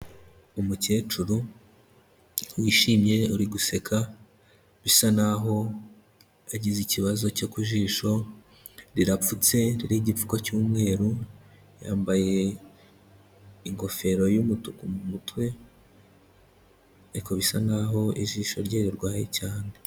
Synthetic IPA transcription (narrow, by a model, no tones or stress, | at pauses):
umuce̞ːt͡ʃuɾu | wiːʃiːmje̞uɾiɡuse̞kʰa | βisanaɦo̞ | aɟiziciβazo̞cokuʒiːʃo̞ | ɾiɾap͡fut͡se̞ɾiɾiɟip͡fu̥kocuːmŋe̞ːɾu | ja̰ːmbaje̞ | iŋɡo̞fe̞ɾo̞jumutukumumutwe̞ | eɾiko̞βisanaɦo̞ʔiʒiːʃo̞ɾɟeːɾiɾɡwaːjḛcaːne